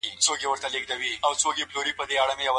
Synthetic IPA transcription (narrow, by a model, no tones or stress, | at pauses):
it͡sokewəɾt̪aleɡ̚d̪awiawt͡sokeploɾipəd̪eaɽamejawa